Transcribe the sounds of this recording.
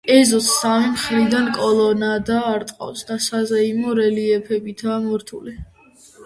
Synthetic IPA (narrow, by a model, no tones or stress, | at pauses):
ɛzɔsːamimχɾid̪ankʼɔlˠɔnad̪aːɾt̪ʼqʼa̰wsd̪asazaimɔɾɛliɛpʰɛbit̪ʰaːmɔɾt̪ʰṵli